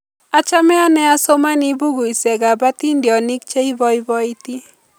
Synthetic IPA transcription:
a˨t͡ʃa˦mɛ˦a˦nɛ˦a˦so˦ma˦ni˦bu˦ɡu˨i˨sɛ˨ɡa˨ba˦ti˦ndjɔ˨ni˦k̚t͡ʃe˦i˦bɔ˦i˦bɔ˦i˦ti˦

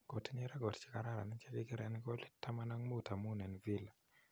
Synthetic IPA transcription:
ɡ̥ɔ˨ti˦nɛ˦ɾa˦ɡɔ˨tt͡ʃi̥˦ka˨ɾa˦ɾa̰˨ni˦t͡ʃɛ˦kɪ˦kɪ˦ɾɛ˦n˦kɔ˦li˦tːa˦ma˦na˦ŋmo˦˨ta˨mu˦nɛ˨nvi˦la˨

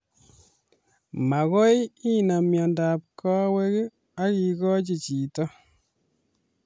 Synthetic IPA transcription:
ma˨kɔ˦ji˦na˨mjɔ˨nda˨p̚kɔ˦we˦k | a˦ki˨kɔ˦t͡ʃi˨t͡ʃi˨tɔ˦

